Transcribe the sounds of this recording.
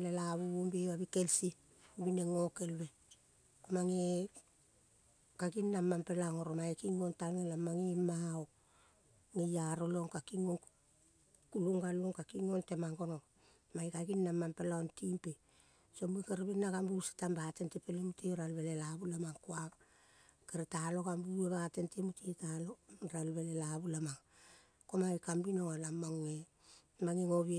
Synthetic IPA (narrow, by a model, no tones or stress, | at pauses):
lelaβuumbeβaβikelsi | bineŋokelβe̞ | komaŋe | kaɡinːamːampelaŋoɾomaekiŋontalŋelamaŋimaok̚ | ŋejaɾolo̞ŋkakiŋoŋ | kuluŋɡaloŋkakiŋonte̞maŋɡo̞noŋ | maikaɡinːamampelaontimpe | somuikaɾβinːaɡambuse̥tambate̞ntepelemuteoɾalβelelabulamaŋkoa | keɾetalo̞ɡambueβate̞ntemutietalo̞ɾalβelelabulamaŋ | komaβikambinoŋalamoŋːe | maŋiŋoβe